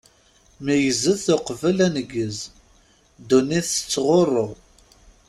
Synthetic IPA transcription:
mijəzəθoqvəlænəɡəz | d̪unːiθə̥t͡sːʁorˤːoʁ

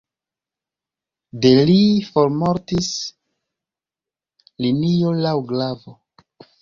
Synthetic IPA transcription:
de̞lifo̞ɾmoɾtis | linijolawɡlavo

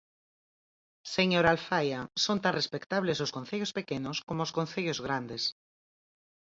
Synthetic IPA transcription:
seɲoɾalfajasont̪anrespekt̪aβlezoskon̟θeʎospekenʊskomooskon̟θeʎozɣɾand̪es

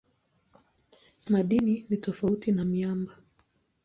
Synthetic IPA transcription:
maɗininitɔfautinamiamba

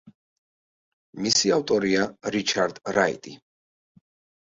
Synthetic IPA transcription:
misiavt̪ʼɔɾiaɾit͡ʃʰaɾd̪̥ɾaḭt̪ʼi

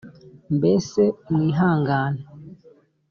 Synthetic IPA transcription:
mbɛsɛmiɦaŋɡaːna

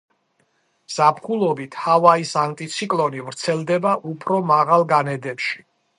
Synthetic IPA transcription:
z̥apʰχulˠɔbit̪ʰhavaisant̪ʼit̪sʰikʼlˠɔnivɾt̪sʰɛlˠd̪ɛbaʔupʰɾɔmaʁalˠɡanɛd̪ɛpʃi̥

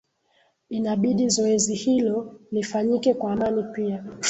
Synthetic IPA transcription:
inaɓiɗizɔɛzihilɔlifaɲikɛkwaːmanipia

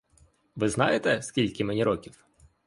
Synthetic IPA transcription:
ʋɪznɑjet̪ɛskʲilʲkʲɪmenʲiɾɔkʲiw

